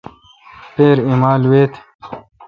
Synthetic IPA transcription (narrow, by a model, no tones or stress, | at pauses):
peːɾimaːlweːt̪ʰ